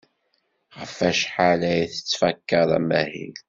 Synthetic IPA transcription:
ʁəfæʃħalæjθə̥t͡sːfækːəðˤæ̰mæhḭl

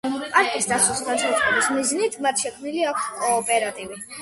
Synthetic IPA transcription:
pʼaɾkʼisd̪asusnaʃɛt̪ʼχʼɔbismiznit̪ʰmat̪ʰʃɛkʰmniliakʰskʼɔːpʼɛɾat̪ʼivi

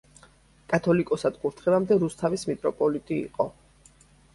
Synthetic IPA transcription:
kʼat̪ʰɔlikʼɔsad̪kʼuɾt̪ʰχilamd̪ɛɾust̪ʰavismit̪ʼɾɔpʼɔlit̪ʼiḭqʼɔ

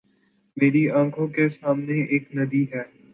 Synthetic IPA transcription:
meːɾiãːkʰõkesaːmneeːknɐd̪iɦɛː

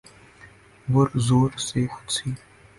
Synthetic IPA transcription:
wʊrzoːrsʼeːxʷʊ̥t͡sʰiː

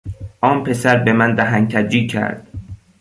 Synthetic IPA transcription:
ʔɒːnpʰe̞sæɾbe̞mænd̪æɦæŋcʰæd͡ʒiːcʰæ̰ɾd̪̥

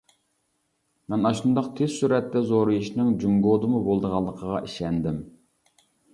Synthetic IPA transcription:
mɛnɑʃund̪ɑqt̪ʰez̥syɾɛt̪ːɛzoɾɨiʃnɪŋd͡ʒuŋɡod̪ɨmubolˠd̪əʁɑlˠːəqʰəʁɑʔiʃɛnd̪ɪm

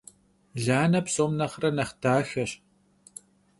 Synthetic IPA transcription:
ɮaːnɐpsoːmnɐχrɐnɐχdaːxɐɕ

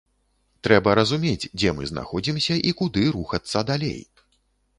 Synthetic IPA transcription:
t̪ɾɛbɐɾɐzumʲet͡sʲd͡zʲɛmɨzna̰xɔd͡zʲimsʲɐʔikud̪ɨɾuxɐt̪sːɐd̪alʲḛj

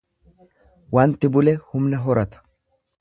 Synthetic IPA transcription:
waːnt̪ɪbʊlɛhʊmnɐɦɔɾɐt̪ɐ̥

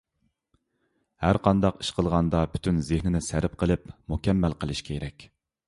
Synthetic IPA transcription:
hæɾqʰɑnd̪ɑqi̥ʃqʰəlˠʁɑnd̪ɑpʰy̥t̪ʰynzɪhnɪnɪsæɾɪp̚qəlˠɪpmukʲɛmːælqʰəlˠɪʃkʲʰɛeɾɛkʲ

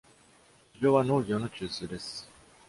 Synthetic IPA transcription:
ɕiʑo̞ːβano̞ːɡʲo̞ːno̞t͡ɕɨːsɨːd̪e̞sɨ̥

